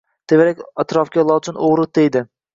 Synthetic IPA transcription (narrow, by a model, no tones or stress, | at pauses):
t̪ʰevaɾakʲat̪ɾɒfkʲalˠɒt͡ʃʰɪnʔoʁɾɨd̪ejd̪ɪ